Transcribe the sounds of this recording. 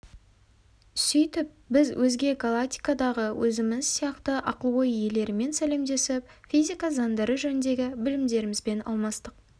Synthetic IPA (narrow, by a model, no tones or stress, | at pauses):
sʏjt̪ɪp̚bɪzwʔɵzɡʲe̞ɡalˠakt̪ʲi̥jkad̪ɑʁəwʔɵzɪmɪzsijɑqt̪əʔɑqəlˠwojje̞le̞ɾɪme̞nsæle̞md̪e̞sɪp̚fʲizʲikazɑnd̪ɑɾəʒɵnɪnd̪e̞ɡʲɪbɪlɪmd̪e̞ɾɪmɪzbe̞nɑ̰lˠmɑst̪əq̚